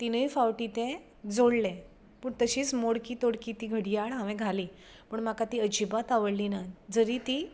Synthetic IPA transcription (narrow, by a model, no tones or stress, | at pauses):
t̪inəifawʈit̪ẽ | d͡zoɽlẽ | pəɳt̪əɕiːt͡smoɽkiːt̪oɽkiːt̪iːɡʱəɽijaɭɦãʋẽɡʱaliː | pəɳmakat̪iːəd͡ʑibat̪aʋəɽlinad͡zəɾiːt̪i